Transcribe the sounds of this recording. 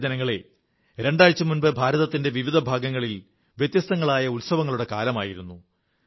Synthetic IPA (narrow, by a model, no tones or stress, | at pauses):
d͡ʑɐnɐŋːɐɭe | ɾe̞ɳɖaːjt͡ɕːɐmunbɐbʱaːɾɐðɐt̪ːinde̞ʋiʋid̪ʱɐbʱaːɡɐŋːɐɭil | ʋjet̪jɐst̪ɐŋːɐɭaːjɐulsɐʋɐŋːɐɭuɽe̞kaːlɐmaːjiɾunːu